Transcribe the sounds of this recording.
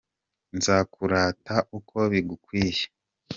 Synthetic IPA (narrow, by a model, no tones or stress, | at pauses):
nzakuɾaːtaʔukʰo̞βiɡukwiːje̥